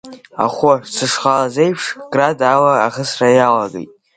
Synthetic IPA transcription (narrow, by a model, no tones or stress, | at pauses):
a̰χʷʊsɨʂχalazejpʰʂkʼradalaːχəsrajalaɡḛjtʼ